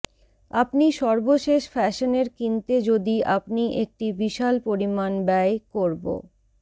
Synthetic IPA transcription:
apniʃɔɾboʃeʃfɛʃoneɾkint̪ed͡ʑod̪iapniʔek̚ʈibiʃalpoɾimanbɛekoɾbo̰

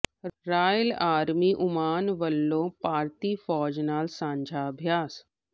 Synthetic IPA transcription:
ɾaːjəlaːɾmiʔʊmaːnʋəlːopaːɾt̪ifɔːd͡ʒnaːlsãːɲd͡ʒʱaɐbʱjaːs

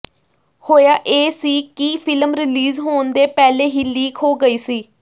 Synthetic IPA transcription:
hoːjaːʔeːsiːkiːpʰɪləmɾɪliːzɦoːnd̪eːpɛːleːɦiːliːkʰɦoːɡəiːsiː

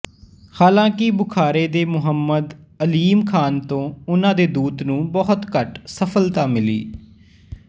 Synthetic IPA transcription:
haːlãːkɪbʊkʰaːɾeːd̪eːmʊɦəmːəd̪ | əliːmkʰaːnt̪õːʊnãːd̪eːd̪uːt̪nũːbɔɦt̪kəʈsəpʰəlt̪aːmɪlḭː

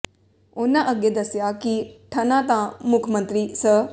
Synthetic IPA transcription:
ʊnãːʔəɡeːd̪əsjaːkiʈʰənãːt̪ãːmʊkʰmə̃nt̪ɾiːsə

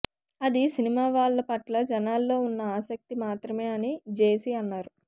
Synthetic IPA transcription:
ɐd̪isinimaːʋaːɭːɐpɐʈlɐd͡ʒɐnaːlːo̞ːunːɐaːsɐk̚t̪imaːt̪ɾɐme̞ːɐnid͡ʒe̞ːsiɐnːaːɾu

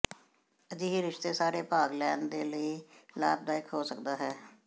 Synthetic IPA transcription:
əd͡ʒiːɦiːɾɪʃt̪eːsaːɾeːpaːɡlɛːnd̪eːləiːla̰ːbd̪aːɪkɦoːsəkd̪aːɦɛː

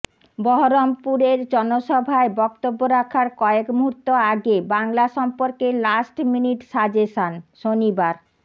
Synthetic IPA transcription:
bɔɦoɾompuɾeɾd͡ʑɔnoʃɔbʱaebɔkt̪obːoɾakʰaɾkɔekmuɦuɾt̪ːoaɡebaŋlaʃɔmpoɾkelasʈminiʈʃad͡ʑeʃanʃonibaɾ

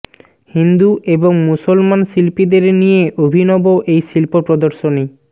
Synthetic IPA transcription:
hind̪uʔeboŋmusolmanʃilpid̪eɾnijeʔobʱinɔboʔejʃilpopɾod̪oɾʃoni

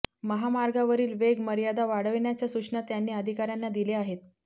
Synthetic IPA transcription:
məɦamaɾɡaʋəɾiːlʋeɡməɾijad̪aʋaɽəʋɳjat͡ɕjasukʂɳat̪janːiːəd̪ʱikaɾjanːad̪ileaɦet̪̚

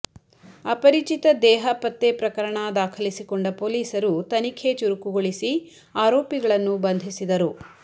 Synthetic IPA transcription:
ɐpɐɾit͡ʃit̪ɐd̪ɛːɦɐpɐt̪ːepɾɐkɐɾɐɳad̪aːkʰɐlisikɔɳɖɐpoːliːsɐɾut̪ɐnikʰe̞t͡ʃuɾukuɡoɭisi | aːɾoːpiɡɐɭɐnːubɐnd̪ʱisid̪ɐɾu

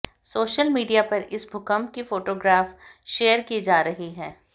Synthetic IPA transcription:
soːʃəlmiːɖijapɐɾɪsbʱʊkəmkifoːʈoːɡɾaːfʃeːəɾkid͡ʒaːɾɐɦiɦɛː

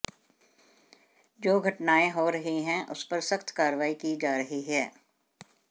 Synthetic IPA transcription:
d͡ʒoːɡʱɐʈnaːeɦoːɾɐɦiɦɛ̃ʔʊ̰spɐɾsɐxt̪kaːɾəʋaːikiːd͡ʒaːɾɐɦiɦɛː

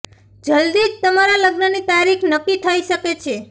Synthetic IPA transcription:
d͡ʒəld̪id͡ʒ̚t̪əmaɾaləɡnənit̪aɾikʰnəkːit̪ʰəiʃəket͡ʃʰe

